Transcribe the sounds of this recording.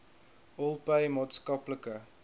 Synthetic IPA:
ʔɔlˠpəjmɑːtskɐpləkə

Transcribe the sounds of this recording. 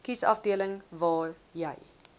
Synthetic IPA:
kisɐ̰fdiələŋvɑːjəj

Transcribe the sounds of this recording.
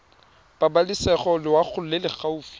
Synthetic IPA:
babalɪsɛχɔlɪwak͡xʰʊl̩ʊlelɪk͡xʰauːfi̥

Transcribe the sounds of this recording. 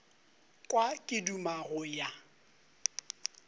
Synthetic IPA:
kʼwakʼɪdumaɣʊja

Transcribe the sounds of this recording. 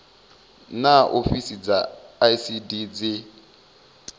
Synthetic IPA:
naʔofisid͡zaːisidid͡zɪ

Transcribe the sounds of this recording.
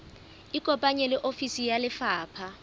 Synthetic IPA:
ikʼɔpʼaɲɛlɪʔofisijalɪfaːpʰa

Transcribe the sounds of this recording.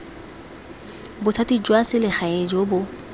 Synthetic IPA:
bʊtʰatid͡ʒwasɪlɪχaed͡ʒobʊ

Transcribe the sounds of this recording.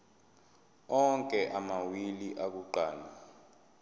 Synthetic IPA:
ɔŋkʼɛʔamawiliʔak̬uǃaːna

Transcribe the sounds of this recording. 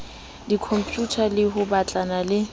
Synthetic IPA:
dikʰɔmpʼjutʰalɪɦʊbat͡ɬʼanalɪ

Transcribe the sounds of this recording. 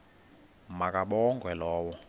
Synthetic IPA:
mak̬ʼaɓɔŋɡʱwɛlɔːwɔ

